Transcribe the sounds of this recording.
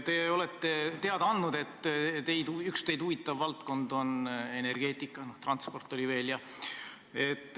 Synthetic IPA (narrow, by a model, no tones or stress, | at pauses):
t̪e̞o̞let̪ːe̞t̪e̞ɑd̪ɑɑnd̪nud̪e̞t̪ːˑt̪e̞jd̪uykst̪e̞jd̪uvit̪ˑːɑvːɑlt̪ko̞nd̪o̞ne̞ne̞rɡ̥e̞ːt̪ːˑikːˑɑno̞ht̪rɑnt̪spo̞rt̪ːˑo̞lʲive̞ːljɑ | e̞t̪ːˑ